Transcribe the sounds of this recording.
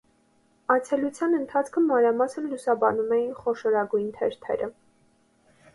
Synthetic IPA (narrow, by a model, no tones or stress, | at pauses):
ɑt͡sʰɛlut͡sʰjɑnənt̪ʰɑt͡sʰkʰəmɑnɾɑmɑsənlusɑbɑnumɛjinχɔʃɔɾɑɡujnt̪ʰɛ̰ɾt̪ʰɛ̰ɾʔə